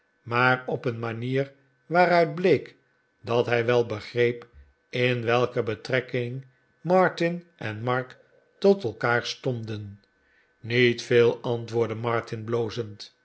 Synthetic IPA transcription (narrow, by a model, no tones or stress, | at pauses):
maːɾɔpənmaniːɹ | ʋaːɾœɥd̚blejk | dɑtɦɛjʋɛlˠbəχrejp | ɪnʋɛlˠkəbətrɛkɪŋ | mɑɹtɪnʔɛnmɑɹk | tɔtɛlˠkaːɹstɔmdən | nitfeːlˠɑntʋʊːɹdəmɑɹtɪnbloːzənt